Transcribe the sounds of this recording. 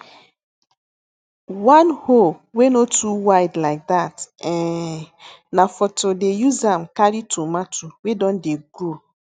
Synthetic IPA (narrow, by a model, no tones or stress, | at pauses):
wanhowenotuwaɪdlaɪk̚datɛ | nafɔtodejuzam̩kaɾitʰumatʰuwedɔ̃n̩deɡɾo